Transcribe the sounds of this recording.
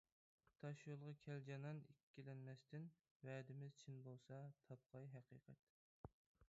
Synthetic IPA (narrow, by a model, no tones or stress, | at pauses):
t̪ʰɑʃjolˠʁɑkʲʰɛld͡ʒɑnɑnikʲːilɛnmɛst̪ɪn | wɛːd̪ɪmɪz̥t͡ʃʰinbolˠsɑt̪ʰɑp̚qʰɑjɦɛqʰiːqʰɛ̰t̪